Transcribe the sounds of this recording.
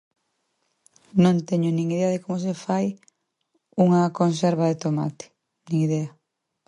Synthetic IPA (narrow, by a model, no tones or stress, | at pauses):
nõnt̪eɲʊnĩŋiðeɐðɪkomʊs̬efaj | uŋɐkonsɛɾβɐðet̪oma̰t̪ɪ̥ | nĩŋiðɛɐ